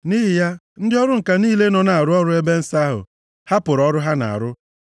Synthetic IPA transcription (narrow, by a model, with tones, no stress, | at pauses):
ni˦ɦɪ˨ja˦n̩˦dɪ˦ɔ˦ɾʊ˦ŋ̩˨ka˨niː˦le˦nɔ˨na˨a˨ɾʊ˦ɔ˦ɾʊ˦e˦be˦n̩˦sa˦a˦ɦʊ̰˨ | ha˦pʊ˨ɾɔ˦ɾʊ˦ɦa˦na̰˨a̰˨ɾʊ˦